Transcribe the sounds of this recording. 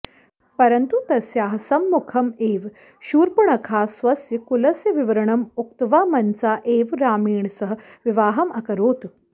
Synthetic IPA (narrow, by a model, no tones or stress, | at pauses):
pɐɾɐnt̪ut̪ɐsjaːɦɐsɐmːukʰɐmeːʋ | ʃuːɾpuɳɐkʰaːsʋɐsjɐkulɐsjɐʋiʋɐɾɐɳɐmuk̚t̪ʋaːmɐnsaːʔeːʋɾaːmiːɳsɐɦɐʋiʋaːɦɐmɐkɐɾoːt̪